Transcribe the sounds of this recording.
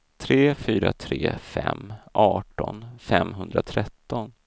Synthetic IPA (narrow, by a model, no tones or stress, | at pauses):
t̪ʰɾeːfyːɾat̪ʰɾeːfɛmːʔɑːʈɔnfɛmːɦɵnd̪ɾat̪ʰɾɛt̪ːɔn